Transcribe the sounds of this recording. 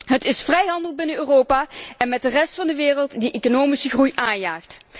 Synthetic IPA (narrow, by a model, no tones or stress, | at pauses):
ɦətɪsfrɛjɦɑndəlˠbɪnəøːroːpaːɛnmɛt̚dərɛstfɑndəʋɪːrəlˠtdiʔekonoːmisəɣrujʔaːnjaːxt